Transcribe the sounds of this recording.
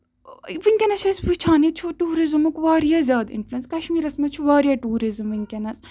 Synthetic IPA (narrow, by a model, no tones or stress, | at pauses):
ʋiŋʲkʲɐnɐt͡ʃʰusʋit͡ʃʰaːnit͡ʃʰuʈuːɾizmukʋaːɾijazʲjaːd̪ɪ̰nfluenskɐʃmiːɾɐsmɐt͡ʃʰuʋaːɾjaʈuːɾizɨmiŋʲkʲɐnɐs